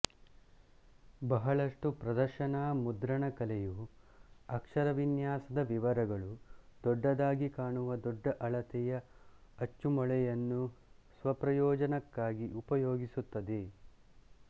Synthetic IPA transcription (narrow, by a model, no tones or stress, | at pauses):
bɐɦɐɭɐʂʈupɾɐd̪ɐɾʃɐnaːmud̪ɾɐɳɐkɐlɛju | ɐkʂɐɾɐʋinjaːsɐd̪ɐʋiʋɐɾɐɡɐɭud̪ɔɖːɐd̪aːɡikaːɳuʋɐd̪ɔɖːɐʔɐɭɐt̪ɛjɐɐt͡ʃːumɔɭɛjɐnːusʋɐpɾɐjɔːd͡ʒɐnɐkːaːɡiʔupɐjoːɡisut̪ːɐd̪e